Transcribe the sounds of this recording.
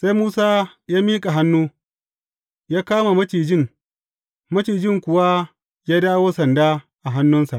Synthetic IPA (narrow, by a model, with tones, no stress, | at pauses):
sa˦jmuː˦saː˦jaː˦miː˦kʼa˨ɦa˦nːuː˦ | jaː˦kaː˦ma˨mɐ˦tiː˨d͡ʒɪ˦˨ŋ | mɐ˦t͡ʃiː˨d͡ʒɪ˦˨ŋkʷʊ˨wa˦ | jaː˦daː˦woː˦sɐ˨ndaː˦ | ʔa˨ɦa˦nːʊ˦nsa˨ʔ